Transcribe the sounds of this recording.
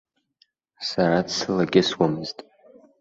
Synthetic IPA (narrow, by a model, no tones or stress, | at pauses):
saɾadsɨlaɡʲɪswamɨz̥tʼ